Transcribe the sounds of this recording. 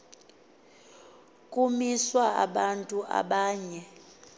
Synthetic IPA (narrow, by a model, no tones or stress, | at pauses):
kʼumiswaa̰ɓantʼuʔa̰ɓaːɲɛ